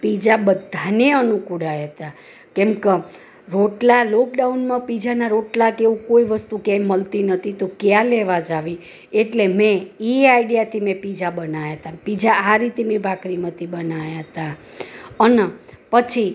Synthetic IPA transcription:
pid͡ʒabəd̪ʱːaneənukuɽajət̪a | kɛ̃mkə | ɾoʈlalokɖaunmãpid͡ʒanaɾoʈlakeʋũkoiʋəst̪ukẽməlt̪inət̪ʰit̪okjãleʋad͡ʒaʋi | eʈlemẽiaiɖijat̪ʰimẽpid͡ʒabənajaɦt̪apid͡ʒaːɾit̪emẽbakɾimat̪ʰibənajaɦt̪a | ənpət͡ʃʰi

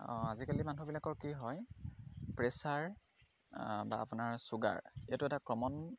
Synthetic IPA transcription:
ɔ̰̃azikalimanuɦubilakɔɹkiɦɔj | pɹesaɹ | ba̰ːpʊnaɹsuɡa̰ɹijatʊɛtakɹɔmɔn

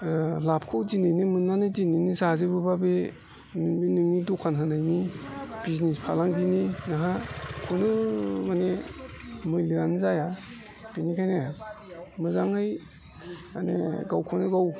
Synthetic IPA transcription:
lap̚ʰkʰɯwd͡ʒinajnimɯnːanɯzininisazebɯbabe | nibinɯŋnidukʰanɦɯnajnib̥iznispʰalaŋbininaɦakʰunɯmane | mɯjlianzaja | b̥inikʰajne | mɯzaŋɯj | anḛɡawkʰɔnɯɡaw

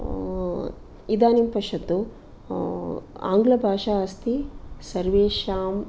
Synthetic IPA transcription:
id̪aːnimpɐʃɐt̪ːu | a̰ːŋɡlɐbʱaːʂaːɐst̪isɐɾʋeːʃaːm

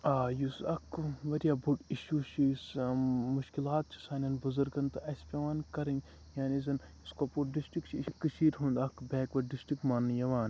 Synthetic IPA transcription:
aːjusɐkʰʋɐɾʲjaːbuʈiʃuːt͡ʃʰismuʃkilaːt̪̚t͡ʃʰi̥saːnʲɐnbuzɐɾɡɐnt̪ɐɐsʲpʲɐʋaːnkɐɾɐn | jaːnizɐniskopuɖisʈɾikt͡ʃʰiʃkɨʃiːɾɦũːnd̪ɐkbɛːkʋɐɖisʈɾikmaːnːɨjɐʋaːn

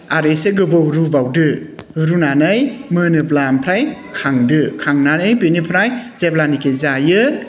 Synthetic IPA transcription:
aɾeseɡɯbɯwɾubawdɯɾunanɯjmɯnɯp̬lampʰɾajkʰaŋdɯkʰaŋnanɯjpenipʰɾajzeplanikezajɯ

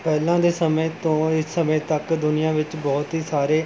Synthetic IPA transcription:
pɛːlãːd̪eːsəmẽːt̪õːɪsːəmẽːt̪əkd̪ʊnɪjãːʋɪt͡ʃbɔːt̪ɦiːsaːɾeː

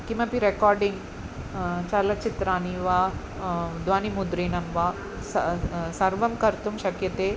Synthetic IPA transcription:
kimɐpiɾekaːɾɖiŋɡ | t͡ʃɐlɐt͡ʃit̪ɾaːniʋaː | d̪ʋaːnimud̪ɾiːnɐmʋa | ssɐɾʋɐmkɐɾt̪umʃɐkjɐt̪eː

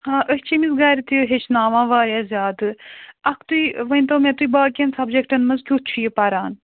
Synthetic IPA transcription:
hãːʔəɦʲt͡ʃʰimizɡaːɾʲit̪uɦet͡ʃʰnaːʋãːʋaːɾʲjaːzʲjaːt̪ɨɐkʰt̪uiʋɐnʲt̪oːmẽt̪uibaːkʲensɐbd͡ʒekʈɐnmɐzkʲutt͡ʃʰujepaɾaːn

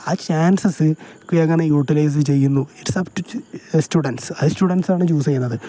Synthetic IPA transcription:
aːt͡ɕaːnsɐsɨkɨeŋːɐɳejuːʈːilɐjs̬ɨt͡ɕe̞jːunːueʈːsɐbʈsʈuːɽɐnʈsɐðɨstuːɽɐnʈsaːɳɨt͡ɕuːsɐjinːɐðɨ

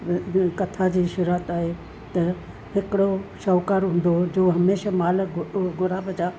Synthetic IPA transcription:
kɐt̪ʰad͡ʑiːʃʊɾət̪aːɦe | t̪ɐ | ɦɪkɪɽoʃɔːkaːɾɦũːn̆d̪od͡ʑoːɦɐmeːʃamaːləɡʊɾaːbʱəd͡ʑaː

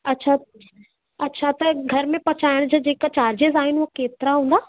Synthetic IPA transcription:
ɐtːɕʰa | ɐtːɕʰat̪ɐɡʱɐɾmẽpɐt͡ɕaːɪɽ̃d͡ʑaːd͡ʑeːkat͡ɕaːɾd͡ʑezaːɦɪnɪokeːt̪ɪɾaɦũːnd̪aː

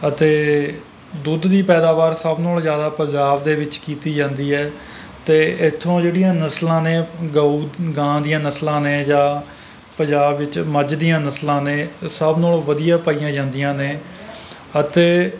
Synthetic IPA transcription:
ət̪eː | d̪ud̪d̪iːpɛːd̪aːʋaːɾsəbnoːlzjaːd̪aːpəɲd͡ʒaːbd̪eːʋɪt͡ʃkiːt̪iːd͡ʒãːnd̪iːɛː | t̪eːɪt̪ʰːõːd͡ʒeːɽijãːnəslãːneːɡauːɡãːd̪ijãːnəslãːneːd͡ʒãː | pəɲd͡ʒaːbʋɪt͡ʃməd͡ʒd̪ijãːnəslãːneːsəbnoːloʋəd̪ijãːpaiːjãːd͡ʒãːnd̪ijãːneː | ət̪eː

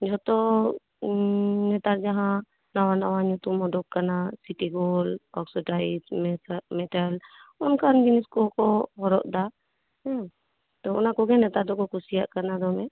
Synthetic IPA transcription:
d͡ʒɔt̪ɔ | nɛt̪aɾd͡ʒaɦã | nawanawaɲut̪umɔɖɔkːanasiʈiɡɔlɔksɔʈaid͡ʒmɛmɛʈalɔnkand͡ʒiniskɔkɔɦɔɾɔ̰ʔd̪a | ɛ | t̪ɔɔ̰nakɔɡɛnɛt̪aɾd̪ɔkɔkusijaʔkanad̪ɔmɛ

